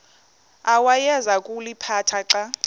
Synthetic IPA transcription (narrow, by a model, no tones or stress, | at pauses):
awajɛzakʼulipʰatʰaǁa